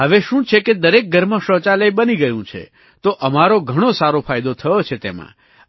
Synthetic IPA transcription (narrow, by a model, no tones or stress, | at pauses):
ɦəʋeʃũt͡ʃʰeked̪əɾek̚ɡʱəɾmãʃət͡ʃaləjbəniɡəjũt͡ʃʰḛ | t̪oʔəmaɾoɡʱəɽ̃osaɾofʰajd̪ot̪ʰəjot͡ʃʰet̪emã̰